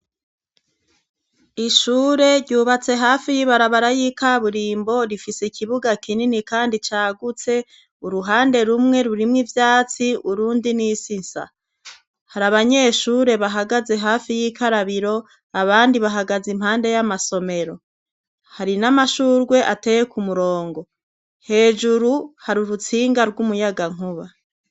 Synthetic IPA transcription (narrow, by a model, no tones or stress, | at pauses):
iʃuːɾe̞ɾɟuːβat͡se̞ɦaːfijiβaɾaβaɾajikaβuɾiːmbo̞ɾifiseikʰiβuɡakʰininikaːndit͡ʃaːɡut͡se̞ | uɾuɦaːnde̞ɾumŋe̞ɾuɾimŋivjaːt͡siuɾuːndinisinsa̰ | haɾaβaɲe̞ːʃuːɾe̞βaɦaɡaze̞ɦaːfijikʰaɾaβiɾo̞ | aβaːndiβaɦaɡazimhaːnde̞jamaso̞me̞ɾo̞ | haɾinamaʃuːɾɡwe̞ʔate̞ːje̞kumuɾo̞ːŋɡo̞ | he̞ːd͡ʒuɾuhaɾuɾut͡siːŋɡaɾɡumujaɡaŋ̥uβa